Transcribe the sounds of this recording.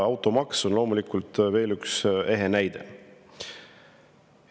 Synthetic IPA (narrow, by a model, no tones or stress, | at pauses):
ɑwt̪ˑo̞mɑkso̞nlo̞ːmulikːult̪ve̞ːlykse̞ɦenæjd̪ḛ